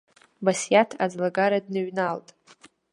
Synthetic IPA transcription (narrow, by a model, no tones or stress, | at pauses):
basjatʰad͡zlaɡaɾadnɨɥnaltʼ